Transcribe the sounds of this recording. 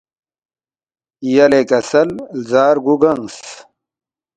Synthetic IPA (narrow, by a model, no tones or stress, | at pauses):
jɐlekɐsɐllzaːɾɡuɡɐŋs